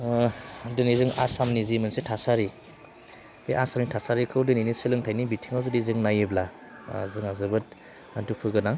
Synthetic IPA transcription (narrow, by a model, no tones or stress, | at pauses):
dɯnizɯŋasamnizimɯnsetʰasaɾi | beʔasamnitʰasaɾikʰɯwdɯninisɯlɯŋtʰajnibitʰiŋawzudizɯŋnajɯbla | zɯŋazɯbɯt̚ | dupʰɯɡɯnaŋ